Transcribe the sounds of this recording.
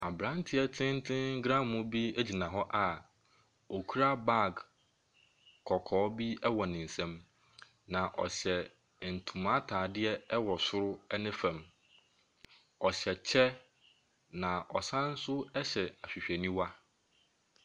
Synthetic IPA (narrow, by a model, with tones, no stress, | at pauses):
a˨bɾã˦n˦tʰɪ˦ɛ˦tʰɪ̃˦n̩˦tʰɪ̃˦ŋ̩˦ɡɾã˦mmʊ̃˦bi˦e˦d͡ʑi˨nã˨ɦɔ˦ʔa˨ | o˨kʰu˦ɾa˦ba˦˨ɡ | kʰɔ˨kʰɔː˨˦bi˦ɛ˦wɔ˨nɪ̃˨n̩˨sɛ̃˦m | nã˨ʔɔ̰˨ɕɛ˨ | n̩˨tʰũ˨mã˦tʰaː˨dɪ˦ɛ˦ɛ˦wɔ˨sʊ˦ɾʊ˦ɛ˦nɪ̃˦fæ̃˨m | ɔ˨ɕɛ˨t͡ɕʰɛ˦ | nã˨ʔɔ˨sã˦n̩˦sʊ˦ɛ˦ɕɛ˨a˨ɕᶣi˨ɕᶣɛ˨nĩ˦wa˦